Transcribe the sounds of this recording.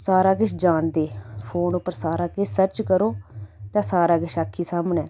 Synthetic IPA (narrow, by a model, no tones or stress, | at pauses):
saːɾaːkɪʃd͡ʒaːnd̪eːpʰoːnʊpːəɾsaːɾaːkɪsəɾt͡ʃkəɾoːt̪ãːsaːɾaːɡɪʃakʰːiːsaːmənɛː